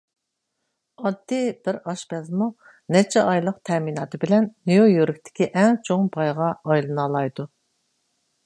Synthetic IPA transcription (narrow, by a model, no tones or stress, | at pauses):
ɑd̪ːɪbɪɾɑʃbɛzmu | nɛt͡ʃʰɛʔɑjlˠəq̚t̪ʰɛminɑːt̪ʰɨbɪlɛnːijojøɾɪkʲt̪ʰɪ̥kʲʰiʔɛŋt͡ʃʰoŋbɑjʁɑɑjlˠɨnɑlˠɑjd̪u